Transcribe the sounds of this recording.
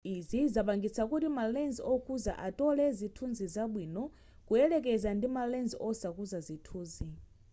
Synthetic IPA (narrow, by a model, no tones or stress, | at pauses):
izizapaŋɡit͡sʰakutimalɛnzɔkʰuza̰ʔatɔlɛzitʰunzizaɓwiːnɔ | kuɛlɛk̬ɛzandimalɛnzɔsakuzazitʰuːzi